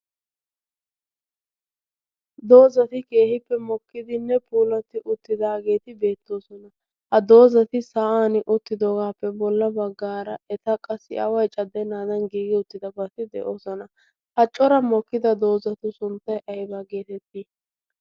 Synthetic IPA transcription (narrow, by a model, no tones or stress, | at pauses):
d̪o̞ːzɐt̪ɪke̞ːhɪpːɛmɔkːɪd̪ɪnɛpʰuːlɐt̪ɪʔʊt̪ːɪd̪aːɡe̞ːt̪ɪbe̞ːt̪ːo̞ːsɔnɐ | hɐd̪o̞ːzɐt̪ɪsaːaːnʔʊt̪ːɪd̪o̞ːɡaːpːɛbɔlːɐbɐɡːaːɾɐɛt̪ɐkʼɐsːɪ̰ʔɐwɐjt͡ʃʼɐd̪ːɛnaːd̪ɐnɡiːɡɪʊt̪ːɪd̪ɐbɐt̪ɪd̪ɛ̰ʔo̞ːsɔnɐ | hɐt͡ʃʼːɔɾɐmɔkːɪd̪ɐd̪o̞ːzɐt̪ʊsʊnt̪ːɐjʔɐjbaːɡe̞ːt̪ɛt̪ːi